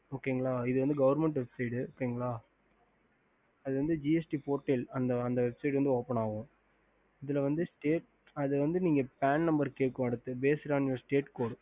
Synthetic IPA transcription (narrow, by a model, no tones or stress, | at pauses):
oːkːeːŋɡɐɭaːɪðɯʋɐnd̪ɯɡɐʋɐɾmɛɳʈʋɛbsɐɪʈɯoːkːeːŋɡɐɭaː | ɐðɯʋɐnd̪ɯd͡ʒiɛsʈipoːɾʈːɛlɐnd̪ɐɐnd̪ɐʋɛbsɐɪʈɐnd̪ɯoːpɐɳaːɣʊ̃ | ɪðɪlɐʋɐnd̪ɯsʈeːʈ̚ | ɐðɯʋɐnd̪ɯniːŋɡɐpaːnnɐmbɐɾkeːʈ̚kːʊ̃ɐɽɯt̪ːɯbeːsɪɾaːnɪɔɾsʈeːʈkoːɽɯ̃